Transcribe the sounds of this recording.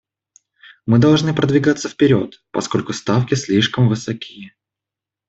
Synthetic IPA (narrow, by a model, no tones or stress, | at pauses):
mɨd̪ɐlˠʐnɨpɾəd̪vʲɪɡat̪səfpʲɪɾʲo̞̰t̪pɐ̰sko̞lʲkʊst̪afkʲɪsʲlʲiʂkəmvɨsɐkʲʰijə